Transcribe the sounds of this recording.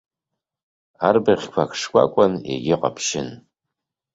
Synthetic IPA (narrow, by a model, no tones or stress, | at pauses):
aːrbɐχʲkʷʰakʂkʷʼa̰kʷʼɐnḛɡʲɪqɐ̰pʰʃɪn